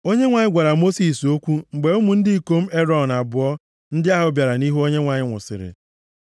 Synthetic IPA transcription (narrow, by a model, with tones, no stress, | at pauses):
o˦ɲe˦ŋʷa˨ɲɪ˦ɡʷa˨ɾa˨mo˦si˨so˦kʷu˦ŋ͡m̩˨ɡ͡be˨u˦mu˨n̩˦dɪ˦i˦˨ko˦m̩˦e˦ɾɔ˨na˨bʊ˨ɔ˦ | n̩˦dɪ˦a˦ɦʊ˨bja˨ɾa˨ni˦ɦu˦o˦ɲe˦ŋʷa˨ɲɪ˦ŋʷʊ̰˨sɪ̰˨ɾɪ̰˨